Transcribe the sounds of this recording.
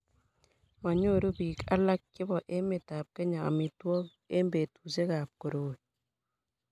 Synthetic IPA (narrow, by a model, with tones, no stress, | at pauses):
ma˨ɲo˦˨ɾo˦bi˨ka˦la˦kːɪ˦bɔ˨ʔe˦mɪ˨ta˨p̚kɛ˦ɲa˨a̰˨mɪ˨twɔ˦k | e˦mbe˨tu˨se˦ka˨p̚ko˨ɾoː˦